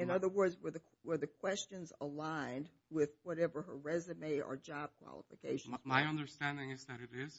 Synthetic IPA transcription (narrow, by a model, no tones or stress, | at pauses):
ɨ̃nʌðə˞wɜ˞dzwə˞ðɨ | wə˞ðɨkʰw̥ɛst͡ʃɨ̃nzəlãɪ̃n | wɪðwʌɾɛvə˞əɹɛzɨmeɪʔə̰˞d͡ʒɑb̚kʰw̥ɑ̰lˠə̰fɨkʰeɪʃnzmaɪʌ̃ndə˞stæ̃ndɪ̃ŋɨzðɨɾɨɾɪz̥